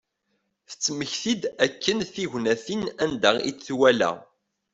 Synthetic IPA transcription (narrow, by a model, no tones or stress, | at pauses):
θə̥t͡sːməçθid̪ækːənθiʝʷnæθinænd̪æʁḭθwælæ̰